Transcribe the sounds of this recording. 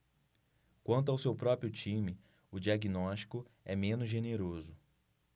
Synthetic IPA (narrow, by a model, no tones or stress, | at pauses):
kwɐ̃nt̪̬ʊawsewpɾɔpɾiʊt͡ʃĩmɪ | ʊd͡ʒiaɡinɔʃt͡ʃi̥kʊ | ɛmẽnʊzʒeneɾozʊ